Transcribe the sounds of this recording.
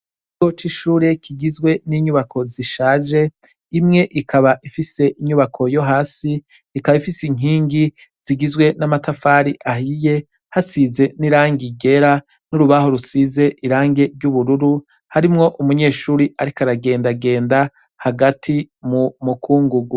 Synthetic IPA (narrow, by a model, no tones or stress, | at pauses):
iɡot͡ʃiʃuːɾe̞kʰiɡizɡwe̞niɲuβakʰo̞ziʃaːʒe̞ | imŋe̞ʔikʰaβaʔifise̞ʔiɲuβakʰo̞jo̞ɦaːsiː | kaβaifisiŋ̥iːŋɡi | z̥iɡizɡwe̞namatafaːɾiʔaɦije̞ | hasize̞niɾaːŋɡiɡe̞ɾa | nuɾuβaɦo̞ɾusize̞ʔiɾaːŋɡe̞ɾɟuβuɾuɾu | haɾimŋo̞ʔumuɲe̞ːʃuːɾiʔaɾikaɾaɡe̞ːndaɡe̞ːnda | haɡatʰimumukʰuːŋɡuɡu